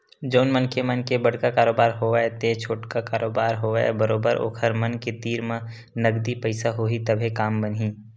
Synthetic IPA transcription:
d͡ʒoːnmənkemɐnkebəɽ̤kakaːɾoːbaːɾɦoaɛt̪et͡ʃʰoːʈkakaːɾoːbaːɾɦoːɛ̰bəɾoːbəɾʔo̰ːkʰəɾmɐnket̪iːɾmẽ | nɐɡd̪ipəɪsaɦoːit̪ɐbʱekaːmbənɦiː

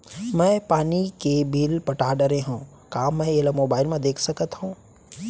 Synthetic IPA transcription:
mɛ̃ːpaːnikebiːlpɐʈaːɖəɾẽɦũː | kaːmːɛ̃eːləmoːbaːɪlmẽd̪eːkʰsɐkət̪ɦũː

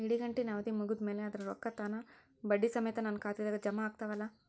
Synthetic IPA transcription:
iɽiɡɐɳʈinaːʋɐd̪imuɡud̪me̞ːleɐd̪ɐɾɐɾɔkːɐt̪aːnɐ | bɐɖːisɐmɐjɐt̪ɐnɐnkaːt̪id̪aːɡɐd͡ʒɐmaːɡ̚t̪ɐʋɐlːɐ

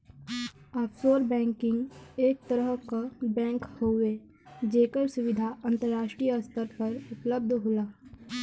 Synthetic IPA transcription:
aːpsoːɾbɛ̃ːŋkɪ̃ŋɡeːk̚t̪əɾəɦkabɛ̃ːŋkhowe | d͡ʒeːkəɾsʊʋɪd̪ʱaʔə̃nt̪əɾːaːʃʈɾijəɐst̪əɾpɐɾʊpləb̚d̪ʱɦoːlaː

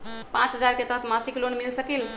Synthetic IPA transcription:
pãt͡ʃɦəd͡ʒaɾket̪əɦt̪ʰmasiklonmilsəkil

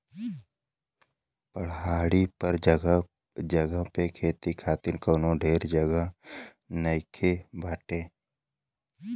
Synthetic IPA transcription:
pəɽɦaːɽipəɾd͡ʒɡ | d͡ʒəɡəpekʰeːt̪ikʰaːt̪ɪnkəːnõɖʱeːɾd͡ʒəɡə | nəɪkʰebʱaːʈẽː

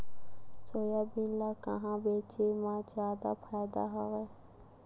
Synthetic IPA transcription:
t͡ʃəjabinlakə̰ɦãbeːt͡ʃemãd͡ʒaːd̪a̰pʰaːjd̪a̰ɦɔʋeː

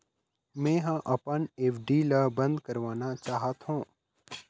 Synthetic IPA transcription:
mɛ̃ːɦə̃ʔɐpəneːfɖiːlɐbə̃nd̪kəɾʋaːnat͡ʃaːɦət̪ɦũː

